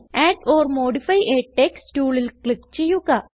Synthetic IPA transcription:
eːʈoːrmoːɖifɐjʔeːʈʈːekstuːɭilkɭikt͡ɕejːuɣɐ

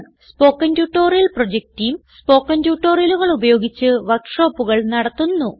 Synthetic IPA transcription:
spo̞ːkːɐntjuʈːo̞ːrijɐlprod͡ʑek̚tijumspo̞ːkːɐntjuːʈːo̞ːrijɐluɣɐɭubɐjo̞ːɡit͡ɕːɨʋɐkʂo̞ːpːuɣɐɭnɐɽɐt̪ːunːu

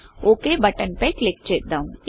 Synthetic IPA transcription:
oːkebəʈənpeklek̚t͡ʃet̪̚d̪ãũ

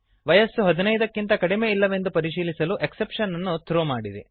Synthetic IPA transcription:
ʋɐjɐsːuɦɐd̪inɐjd̪ɐkːint̪ɐkɐɽimeːilːɐʋe̞nd̪upɐɾiʃiːlisɐluʔeksepʂɐnːɐnːut̪ʰɾoːmaːɽid̪ḛ

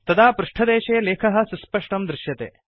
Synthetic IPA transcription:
t̪ɐd̪aːpɾuʂʈʰɐd̪eːʃeːleːkʰɐɦɐ̆suspɐʂʈɐmd̪ɾɪʃjɐt̪ḛː

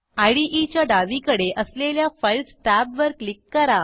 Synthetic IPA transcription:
ajɽiʔit͡ɕjaɖaʋikəɽeʔəsleljafəjlsʈæbʋəɾklikːəɾa

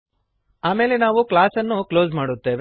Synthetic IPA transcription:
aːme̞ːle̞naːʋuklaːsɐnːuklo̞ːzmaːɽut̪ːe̞ːʋe

